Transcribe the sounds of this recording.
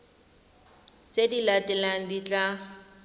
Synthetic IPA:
t͡sedilatʼɛlaŋ̩dit͡ɬʼa

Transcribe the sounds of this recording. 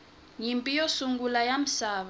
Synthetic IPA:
jimpʼijosuŋɡulajam̩saːβa

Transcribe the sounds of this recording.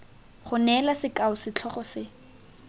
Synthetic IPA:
χʊnɛlasɪkʼaʊsɪt͡ɬʰɔχɔsɪ

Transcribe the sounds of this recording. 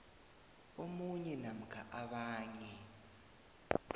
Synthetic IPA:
omuɲɛnam̩kʰa̰ʔaɓaːɲɛ

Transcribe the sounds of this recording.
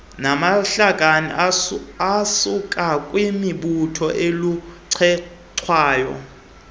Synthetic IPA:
namaɬaɡʼʱanḭ | asukʼakʼwimiɓutʰɔʔeluǀʰɛ | ǀʰwaːjɔ̰

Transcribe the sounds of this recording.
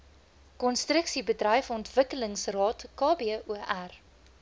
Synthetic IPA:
kɔnstrəksibədrɛjfɔntvəkələŋsrɑːtkɑːbiuʔær

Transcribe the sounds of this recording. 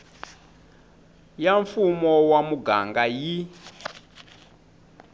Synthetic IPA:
jaɱfumɔwamuɡaŋɡaji

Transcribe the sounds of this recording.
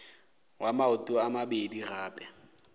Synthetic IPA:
wʔamaʊtʼʊamabediraːpʼɛ

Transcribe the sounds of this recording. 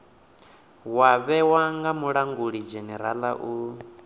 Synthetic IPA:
waβɛwaŋɡamuɺaŋɡuɺid͡ʒɛnɛɾala̰ʔu

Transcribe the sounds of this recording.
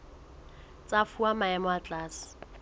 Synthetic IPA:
t͡sʼafuamaɛmɔat͡ɬʼaːsɪ̥

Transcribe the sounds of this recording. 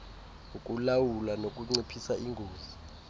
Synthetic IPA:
ukʼulawulanokʼuŋ͡ǀipʰisaʔiŋɡʱoːzi

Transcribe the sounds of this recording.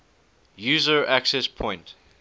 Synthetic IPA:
juːzəɹʔæksɛspʰɔ̃ɪ̃nt

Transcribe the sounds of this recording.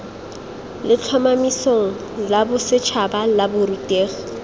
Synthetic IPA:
lɪt͡ɬʰamamisoŋ̩ | labʊsɪt͡ʃʰabalabʊɾutʼeːχɔ

